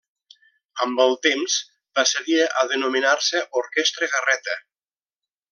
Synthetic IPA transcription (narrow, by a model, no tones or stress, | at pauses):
əmbəlˠt̪emz | b̥asəðiʔəðənuminaɾsəʔoɾkɛst̪ɾəɣərɛt̪ə